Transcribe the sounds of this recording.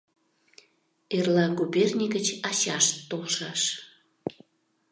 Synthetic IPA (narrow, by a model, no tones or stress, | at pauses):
erlɑɡupʲernʲiɡət͡ɕɑɕɑʃolʃɑʃ